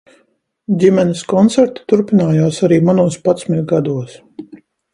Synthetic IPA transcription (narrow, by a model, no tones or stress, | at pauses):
d̪ʲimɛniskɔnt̪sɛɾt̪u̥t̪uɾpinaːjaːsaɾiːmanuɔspat̪smɛkɡad̪uɔs